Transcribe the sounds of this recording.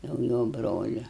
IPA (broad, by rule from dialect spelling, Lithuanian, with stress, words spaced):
jɛʊ ˈjoː ˈbroːlʲʊ